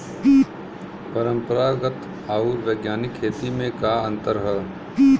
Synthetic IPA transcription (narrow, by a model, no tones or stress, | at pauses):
pəɾə̃mpəɾaːɡət̪ | aːuɾʋeːɡjaːnɪkʰːeːt̪imẽkaːə̃nt̪əɾɦɛ